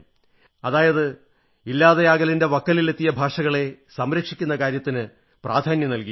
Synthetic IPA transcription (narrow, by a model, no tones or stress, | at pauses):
ɐðaːjɐðɨ | ilːaːðɐjaːɣɐlinde̞ʋɐkːɐlile̞t̪ːijɐbʱaːʂɐɣɐɭe̞sɐmɾɐkʂikʲːun̪ːɐkaːɾjɐt̪ːinɨ | praːd̪ʱaːnjɐnɐlki